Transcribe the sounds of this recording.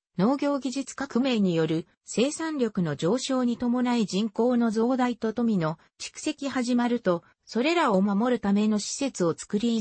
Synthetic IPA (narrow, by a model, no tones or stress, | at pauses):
no̞ːɡʲo̞ːɡʲiʑit͡sɨ̥kakɯ̟me̞ɲ̟ijo̞ɾɯ̟ | se̞ːsãnɾʲo̞kɯ̟no̞d͡ʑo̞ːɕo̞ːɲ̟it̪o̞mo̞naid͡ʑĩŋko̞ːno̞zo̞ːd̪ait̪o̞t̪o̞mʲino̞ | t͡ɕi̥kɯ̟̥se̞kʲihaʑimaɾɯ̟t̪o̞ | so̞ɾe̞ɾaomamo̞ɾɯ̟t̪ame̞no̞ɕi̥se̞t͡sɨo̞t͡sɨ̥kɯ̟ɾʲi